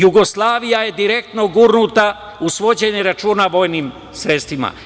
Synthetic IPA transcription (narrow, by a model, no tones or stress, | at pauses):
juɡo̞slˠaːʋijaje̞d̪iɾe̞k̚t̪no̞ɡuːɾnut̪a | usʋo̞d͡ʑe̞ɲeɾat͡ʃuːnaʋo̞jniːm | sɾe̞t̪st̪ʋima̰